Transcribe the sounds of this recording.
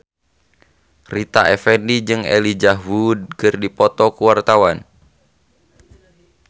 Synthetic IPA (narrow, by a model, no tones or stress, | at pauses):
rit̪aʔɛfɛndid͡ʒɨŋɛ̰lid͡ʒawud̚kɨrdipɔt̪ɔkuwart̪awan